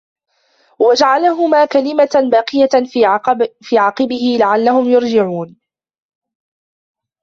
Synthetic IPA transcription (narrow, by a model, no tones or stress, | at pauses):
wad͡ʒaʕalaɦʊmaːkalɪmabɑːqɨja | fiːʕɑːqɨbɪhɪlaʕalːahʊmjʊɾd͡ʒɪʕuːn